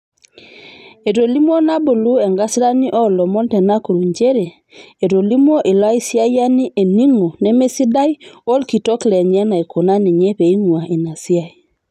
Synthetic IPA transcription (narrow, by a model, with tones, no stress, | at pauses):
e˨ɾo˨li˦m˦o˦na˦bo˨lu˦ɛ˨ŋɡa˦sɾa˦ni˦ʔɔ˦lɔ˨mɔ˦ntɛ˨na˦ko˨ɾu˨ɲd͡ʒe˦ɾe˨ | e˨ɾo˨li˦m˦o˦ʔe˨la˦i˦sja˦ja˦ni˦ʔe˨ni˦ŋo˨nɛ˦me˦si˦da˦jo˦lki˨tɔ˦klɛ˨ɲɛ˦na˨i˨ko˨na˦ni˨ɲe˦pe˨i˦ŋwa˨ʔe˨na˨si˦a˨i˨